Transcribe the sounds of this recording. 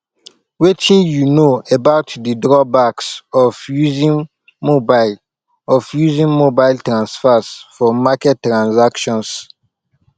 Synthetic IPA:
wetĩnjunoebaʊtdədɹɔbaksɔvjuzĩn | mobaɪl | ɔfjuzĩnmobaɪltɹãnsfɛsfɔmakɛtːɾãnsakʃɔ̃ns

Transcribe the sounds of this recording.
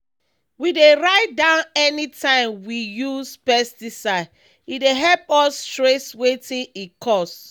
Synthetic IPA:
wideɹaɪt̚dãʊ̃nɛnitʰãɪ̃mwijuspɛstisa | ideɦɛlpɔstɹeswetĩnikʰɔs

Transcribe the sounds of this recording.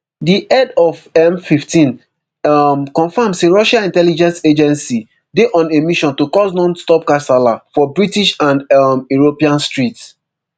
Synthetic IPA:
diʔɛdɔvɛmfiftĩn | mkɔ̃nfamseɹɔʃãĩntɛlid͡ʒɛ̃nsed͡ʒɛ̃nsi | deʔɔ̃nemiʃɔ̃ntukɔsnɔ̃nstɔp̚kasalafɔbɹitiʃãndmuɹopiãnstɹits

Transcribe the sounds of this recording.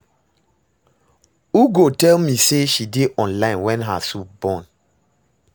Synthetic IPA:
uɡotɛlmiseʃideʔɔ̃nlãɪ̃nwɛ̃nɦa̰sup̚bɔ̃n

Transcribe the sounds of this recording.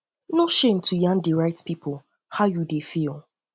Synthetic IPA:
noʃẽmtʰujãŋdiɹaɪtpipʰʊl | haʊjudefilˠ

